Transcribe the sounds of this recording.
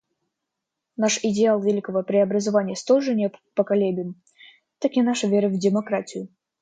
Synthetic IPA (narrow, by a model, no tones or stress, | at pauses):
naʂɪdʲɪalˠvʲɪlʲikəvəpɾʲɪɐbɾəzavanʲɪjəst̪olʲʐɨnʲep̪pəkɐlʲebʲɪɪm | t̪akʲinaʂəvʲeɾəvʲdʲɪmɐkɾatʲɪjʊ